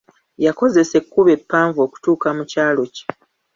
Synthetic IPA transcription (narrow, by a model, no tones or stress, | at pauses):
jako̞ze̞se̞kːuβe̞pːaːɱvo̞ku̥tuːkamucaːlo̞ci̥